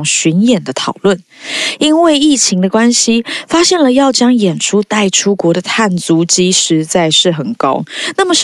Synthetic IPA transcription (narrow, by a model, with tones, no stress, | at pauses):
ŋɕy˧˥njɛ˨˩nd̪ə˦t̪ʰɑ˨˩ʊlwə˥˩n | i˥nwe˥˧ɪi˥˩t͡ɕʰi˧˥ŋd̪ə˧kwa˥nɕi˧fa˥ɕjɛ˥˩nlə˩jɑ˥˩ʊt͡ɕjɑ˥ŋjɛ˨˩nʈ͡ʂʰu˥t̪a˥˩ɪʈ͡ʂʰu˥kwɔ˧˥ɾə˧t̪ʰa˥˩nt͡su˧˥t͡ɕi˥ʂɻ̩˧˥t͡sa˥˩ɪʂɻ̩˥˩xə˨˩nkɑ̰˥ʊna˥˩mə˨˩ʂ